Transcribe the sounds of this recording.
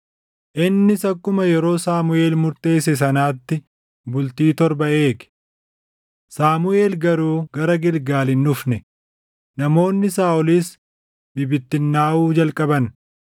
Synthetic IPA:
ʔɪnːɪsɐkːʊmɐjɛɾo̞ːsaːmʊe̞ːlmʊɾt̪e̞ːsɛs̬ɐnaːt̪ːɪ | bʊlt̪iːt̪ɔɾbɐʔe̞ːɡ̥ | saːmʊe̞ːlɡɐɾuːɡɐɾɐɡɪlɡaːlɪnːʊfnɛ | nɐmo̞ːnːɪsaːʔɔliːs | bɪbɪt̪ːɪnːaːʔuːd͡ʒɐlkʼɐbɐn

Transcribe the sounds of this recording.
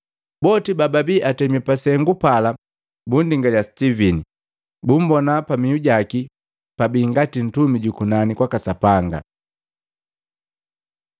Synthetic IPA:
bɔtibababiːʔatɛmɛpasɛŋɡupala | bundiŋɡaljastivini | bum̩bɔnapamiuɟaki | pabiːŋɡatin̩tumiɟukunanikwakasapaŋɡa̰

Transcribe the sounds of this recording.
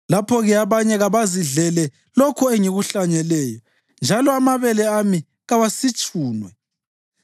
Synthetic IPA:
lapʰɔɣɛaβaɲɛɣaβaziɮɛlɛ | lokʰɔeŋiɣuɬaɲɛlɛːjɔ | nd͡ʒʱalɔamaβɛlɛami | ɣawasit͡ʃʼuːnwɛ

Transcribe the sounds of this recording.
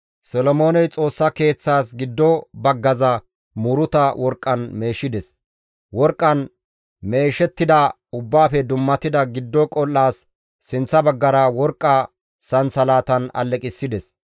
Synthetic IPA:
sɔlɔmo̞ːnɛjt͡sʼo̞ːsːɐke̞ːt͡sːaːsɡɪd̪ːɔbɐɡːɐzɐ | muɾʊt̪ɐwʔɔɾkʼːɐnme̞ːʃɪd̪ɛs | wɔɾkʼːɐn | me̞ːʃɛt̪ːɪd̪ɐ | ʊbːaːfɛd̪ʊmːɐt̪ɪd̪ɐɡɪd̪ːɔkʼɔlːaːsː | ɪnt͡sːɐbɐɡːɐɾɐwɔɾkʼːɐ | sɐnsɐlaːt̪ɐnɐ̰lːɛkʼɪsːɪd̪ɛs

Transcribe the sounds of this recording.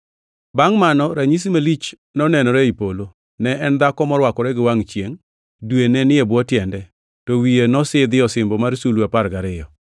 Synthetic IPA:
baŋmanɔɾaɲis̬imalit͡ʃ | nɔnɛnɔɾɛipolo | nɛɛnd̪akɔmɔɾwakɔɾɛɡɪwaŋt͡ʃjeŋ | dwenɛnɪɛbwɔtjɛndɛ | tɔwijenɔsɪd̪ɪɔsɪmbɔmaɾsuluapaɾɡaɾɪjɔ

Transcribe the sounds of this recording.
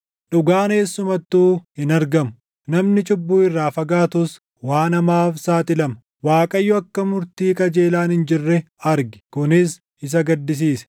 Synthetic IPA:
ᶑʊɡaːneːsːʊmɐt̪ːuːhɪnɐɾɡɐmʊ | nɐmnɪt͡ʃʼʊbːuːɪrːaːfɐɡaːt̪ʊs | waːnɐmaːfsaːt̪ɪlɐmɐ | waːkʼɐjːɔɐkːɐmʊɾt̪iːkʼɐd͡ʒe̞ːlaːnɪnd͡ʒɪrːɛ | ɐɾɡɪ̥kʊnɪs | ɪs̬ɐɡɐd̪ːɪs̬iːsɛ̥

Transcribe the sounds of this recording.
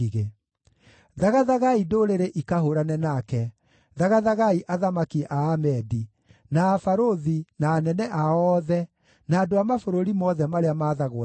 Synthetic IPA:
iɣe | ðaɣaðaɣaidoɾeɾeʔikahoɾanɛnakɛ | ðaɣaðaɣaiʔaðamakiʔaːmɛdi | naːfaɾoðinaːnɛnɛʔaɔːðɛ | naːdoamafoɾoɾimɔðɛmaɾeamaːðaɣo

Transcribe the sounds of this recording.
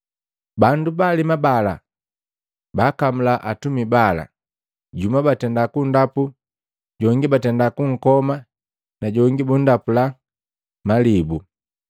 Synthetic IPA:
bandubaːlimabala̰ | bakamulaʔatumibala̰ | ɟumabatɛndakundapu | ɟɔŋɡibatɛndakuŋ̩kɔma | naɟɔŋɡibun̩dapula | malibu

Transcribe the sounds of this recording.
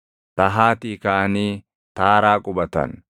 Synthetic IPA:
t̪ɐɦaːt̪iːkaʔɐniː | t̪aːɾaːkʼʊbɐt̪ɐ̰n

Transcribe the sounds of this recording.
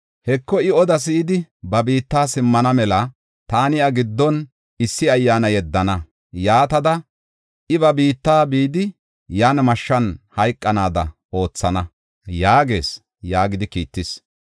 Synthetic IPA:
hɛkːɔɪɔd̪ɐs̬ɪːd̪ɪbɐbiːt̪ːaːsɪmːɐnɐmɛlɐ | t̪aːnɪɐɡɪd̪ːɔn | ɪsːɪɐjːaːnɐjɛd̪ːɐnɐ | jaːt̪ɐd̪ɐ | ʔɪbɐbiːt̪ːaːbiːd̪ɪ | jaːnmɐʃːɐnhɐjkʼːɐnaːd̪ɐ̰ | o̞ːt͡sːɐnɐ | jaːɡe̞ːs | jaːɡɪd̪ɪkḭːt̪ːɪs

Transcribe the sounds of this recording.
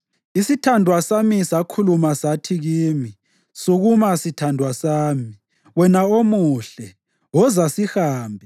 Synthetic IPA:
isitʰandʱwasamisakʰulumasatʰiɣiːmi | suɣumasitʰandʱwasaːmi | wɛnaomuɬɛ | wɔzasihaːmbʱi

